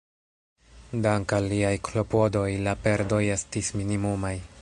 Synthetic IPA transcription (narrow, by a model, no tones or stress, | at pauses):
daŋkalːiajkʰlo̞po̞do̞jlape̞ɾdo̞je̞stisminimumaj